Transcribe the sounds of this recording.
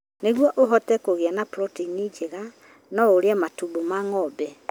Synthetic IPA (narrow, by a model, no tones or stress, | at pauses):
neɣwɔʔoɦɔtɛkoɣeanapɾɔtinid͡ʒeɣa | nɔoɾeamatubomaŋɔbɛ